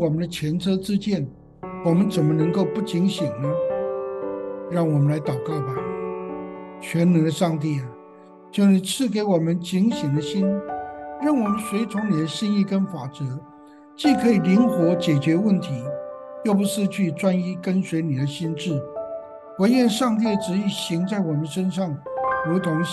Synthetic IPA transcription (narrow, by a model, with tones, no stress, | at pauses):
wɔ˨˩mə˦nd̪ə˧t͡ɕʰjɛ˧˥nt͡sʰɤ˥t͡sɹ̩˥t͡ɕjɛ˥˩n | wɔ˨˩mə˦nt͡sə˨˩nmə˦nɤ˧˥ŋko˥˧ʊpu˥˩t͡ɕi˧˥ŋɕi˨˩ŋnə˦ | ɻɑ˥˩ŋwɔ˨˩mə˦nla˧˥ɪt̪ɑ˨˩ʊkɑ˥˩ʊbɐ˨˩ | t͡ɕʰɥɛ˧˥nnə˧˥ə˧ʂɑ˥˧ŋt̪̬i˥˩a˨˩ | t͡ɕjo˧˥ʊni˨˩t͡sʰɹ̩˥˩ke˧˥ɪwɔ˨˩mə˧˦nt͡ɕi˧˥ŋɕi˨˩ŋd̪ə˦ɕi˥nɻa˥˩nwɔ˨˩mə˦nswe˧˥ɪt͡sʰʊ˧˥ŋni˨d̪ə˦ɕi˥ni˥˧kə˥nfa˨˩t͡sɤ˧˥ | t͡ɕi˥˩kʰɤ˧˥i˨˩li˧˥ŋxwɔ˧˥t͡ɕjɛ˨˩t͡ɕɥɛ˧˥wə˥˩nt̪ʰi˧˥˦jo˥˩ʊpu˧˥ʂɻ̩˥˧t͡ɕʰy˥˩t͡swa˥ni˥kə˥nswe˧˥ɪni˨˩d̪ə˦ɕi˥nʈ͡ʂɻ̩˥˩ | wə˧˥njɛ˥˧nʂɑ˥˧ŋt̪̬i˥˩ʈ͡ʂɻ̩˧˥i˥˩ɕi˧˥ŋt͡sa˥˩ɪwɔ˨˩mə˦nʂə˥nʂɑ˥˩ŋɻu˧˥t̪ʰʊ˧˥ŋ